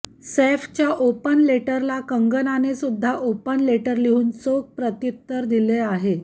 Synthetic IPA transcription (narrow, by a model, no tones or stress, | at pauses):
seft͡ɕjaʔopənleʈəɾlakəŋɡənanesud̪ʱːaʔopənleʈəɾliɦuːnsok̚pɾət̪it̪ːəɾd̪ileaɦe